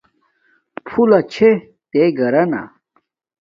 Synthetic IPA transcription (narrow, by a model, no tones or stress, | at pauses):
pʰulɐt͡ɕʰe | t̪eɡɐɾɐna̰